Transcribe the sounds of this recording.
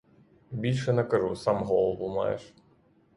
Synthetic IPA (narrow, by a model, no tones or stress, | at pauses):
bʲilʲʂɛnɐkɐʐusamɦɔlˠɐʋuma̰jɛ̰ʂ